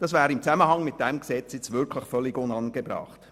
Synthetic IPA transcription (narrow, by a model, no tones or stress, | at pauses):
d̥ɑsvæːɾimt͡sæməhɑŋmɪt̚d̥ɛmksɛt͡sjɛt͡svɪɾkʰlɪχfœliɡonɑnɡ̥ebɾɑ̰χt